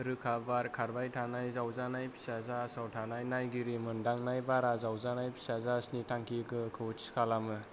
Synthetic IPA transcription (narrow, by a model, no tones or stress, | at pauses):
ɾɯkʰabaɾkʰaɾbajtʰanajzawzanajpʰi̥sazasawtʰanajnajɡiɾimɯndaŋnajbaɾazawzanajpʰi̥sazasnitʰaŋkʰikɯkʰɯwtʰskʰalamɯ